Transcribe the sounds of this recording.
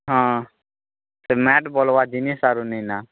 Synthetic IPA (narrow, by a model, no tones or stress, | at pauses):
ɦãː | semɛːʈboːlʋad͡ʒinisaːɾunəĩnaː